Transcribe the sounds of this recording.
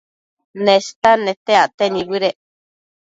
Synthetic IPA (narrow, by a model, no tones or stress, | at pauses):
nẽst̪anẽt̪eaʔt̪enĩwiɾeʔ